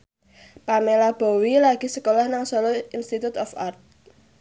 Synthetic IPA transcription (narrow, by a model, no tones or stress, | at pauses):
pamelab̥ɔ̤wilaɡ̥i̤səkolɔhnaŋsɔlɔinst̪it̪ut̪ɔfart̪̚